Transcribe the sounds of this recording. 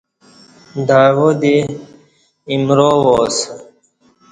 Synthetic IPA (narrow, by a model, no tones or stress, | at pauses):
d̪aːwod̪i | imɾoːwoːs